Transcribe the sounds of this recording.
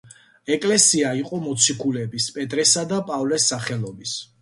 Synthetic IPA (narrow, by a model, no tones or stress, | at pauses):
ɛkʼlɛsiaiqʼɔmɔt̪sʰikʰulɛbispʼɛt̪ʼɾɛsad̪apʼavlɛsːaχɛlˠɔbis